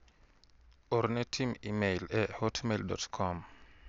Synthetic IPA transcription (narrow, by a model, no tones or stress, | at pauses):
ʔɔɾnɛtʰimimejlɛhɔtʰmeldɔ̰tkʰɔm